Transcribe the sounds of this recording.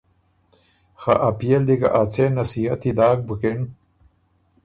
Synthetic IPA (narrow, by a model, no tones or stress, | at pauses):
xa̰ʔapijeld̪ikɐ̰ʔat͡senɐsiɐt̪id̪aːk̚bukeɳ